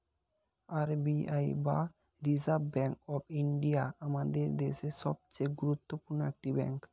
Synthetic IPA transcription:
aɾbiajba | ɾizabːɛŋkɔbiɳɖiaamad̪eɾd̪eʃeʃɔb̚t͡ɕejɡuɾut̪ːopuɾnoek̚ʈibɛ̰ŋk

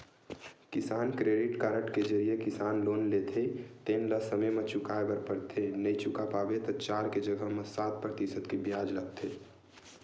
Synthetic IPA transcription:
kɪsaːnkɾeːɖɪʈkaːɾəʈked͡ʒɐɾijekɪsaːnloːnleːt̪ʰet̪eːnləsəməmət͡ʃʊkaːebəɾpəɾt̪ʰenɐĩt͡ʃʊkapaːbet̪ɔt͡ʃaːɾked͡ʒəɡəɦməsaːt̪̚pɾət̪isəd̪kebjaːd͡ʒlət̪ʰeː

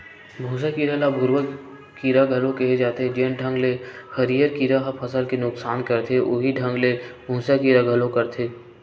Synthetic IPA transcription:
bʱũːs̬akiːɾalabʱʊɾwə | kiːɾaɡʱəlõkeɦed͡ʒaːt̪ed͡ʒeːnɖʱə̃ŋɡlexəɾijəɾkiɾaɦapʰəsəlkenʊksaːnkəɾt̪ʰeʔʊɦiɖʱə̃ŋɡlebʱũːsakiːɾaɡʱəlõkɐɾt̪ʰeː

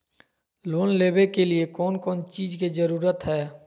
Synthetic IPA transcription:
loːnleːbekeliekɔːnkɔːnt͡ʃiːd͡ʒkid͡ʒəɾuːɾət̪ɦɛː

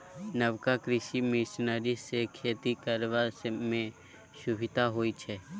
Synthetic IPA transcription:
nəʋkakɾɪʃimɪʃnəɾisekʰeːt̪ikəɾʋasmẽ | ʃʊbʱɪt̪aɦoːit͡ʃʰɛ

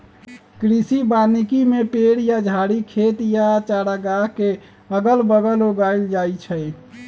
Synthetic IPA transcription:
kɾisibanikimepeɽjad͡ʒʱaɽikʰet̪jat͡ʃaɽaɡake | əɡəlbəɡəloɡaild͡ʒajt͡ʃʰəj

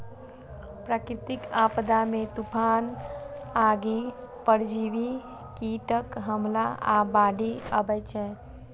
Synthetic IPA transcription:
pɾakɾit̪ikapd̪amet̪upʰan | aɡi | pəɾd͡ʒiʋi | kiʈəkɦəmlaabaɖiəbɛt͡ʃʰɛ

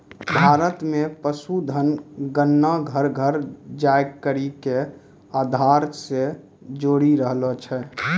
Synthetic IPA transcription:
bʱaːɾət̪mepəsud̪ʱənɡənːaɡʱəɾɡʱəɾd͡ʒajkəɾike | ad̪ʱaɾse | d͡ʒoɽiɾəɦlɔt͡ʃʰɛ

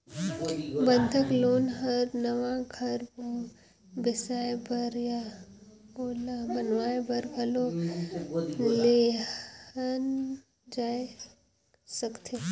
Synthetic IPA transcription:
bə̃nd̪ʱɪkloːnɦəɾnɐʋaɡʱɐɾbo | bɪsaːebəɾja | boːlabɐnʋaːebɐɾɡəlo | le | ən | d͡ʒaːe | səkt̪ʰe

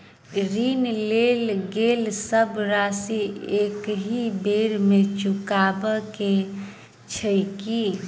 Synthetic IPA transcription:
ɾinlelɡelsəbɾasiekɦibeɾmet͡ʃukabəke | t͡ʃʰəjki

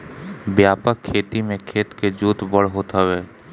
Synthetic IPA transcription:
bjaːpəkʰːeːt̪imẽkʰeːt̪ked͡ʒuːt̪bəɽ̤ɦoːt̪aweː

